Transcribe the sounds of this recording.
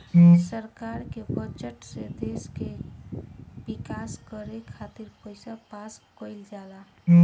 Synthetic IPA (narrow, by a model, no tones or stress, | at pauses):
səɾkaːɾkebət͡ʃəʈsed̪eːske | bɪkaːskəɾekʰaːt̪ɪɾpəɪsapaːskoɪld͡ʒaːla